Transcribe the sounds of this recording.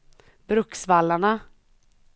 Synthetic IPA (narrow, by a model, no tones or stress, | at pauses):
b̥ɾɵksvalːaɳa